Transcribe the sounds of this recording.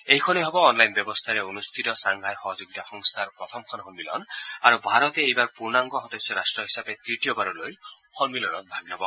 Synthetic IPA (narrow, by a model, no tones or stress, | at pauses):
ejkʰɔnejɦɔbɔːnlajnbɔbɔst̪ʰaɾeonust̪ʰit̪ɔsaŋɡʱajxɔɦɔd͡ʒuɡ̚t̪axɔŋsʰaɾpɹɔt̪ʰɔmkʰɔnɦɔnmilɔ̰naɾubʱaɾɔt̪eejbaɹpuɹnaŋɡɔxɔd̪ɔsːɔɾasʈɹɔɦisapet̪ɹit̪ijobaɾuloj | xɔnmilɔnɔt̪̚bʱaɡnɔbɔ